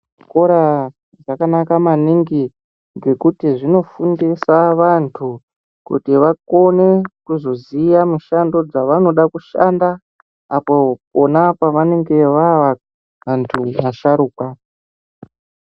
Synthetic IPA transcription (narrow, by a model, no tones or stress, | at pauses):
koɾa | ʐakanakamaniŋɡi | ŋɡe̞kutiʐino̞fundisaʋantʰu | kṵtiʋako̞ne̞kuzo̞zijamuʃando̞d͡zaʋano̞ɗakuʃa̰nda | apo̞onapaʋane̞ŋɡe̞ʋaʋa | ʋantʰumaʃaɾuːkwa